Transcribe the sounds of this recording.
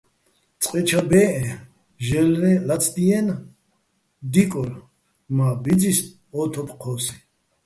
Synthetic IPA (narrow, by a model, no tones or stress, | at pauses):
t͡sʼqʼɛt͡ʃʰabɛːʔɛ | ʒɛlɾɛlat͡sʰd̪iɛn | d̪ikʼɔl | mabid͡zis | ɔːt̪ʰɔpʰqʰɔːsi̥